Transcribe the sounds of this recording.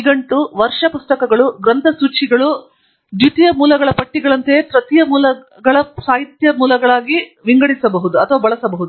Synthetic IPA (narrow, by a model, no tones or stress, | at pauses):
ɡɐɳʈuʋɐɾʂɐpust̪ɐkɐɡɐɭuɡɾɐnt̪ʰɐsuːt͡ʃiɡɐɭu | d̪jut̪ijɐmuːlɐɡɐɭɐpɐʈːiɡɐɭɐnt̪epɾɐt̪ijɐmuːlɐ | ɡɐɭɐsaːɦit̪jɐmuːlɐɡɐɭaːɡiʋiŋɡɐɽisɐbɐɦud̪uɐt̪ʰɐʋaːbɐɭɐsɐbɐɦud̪u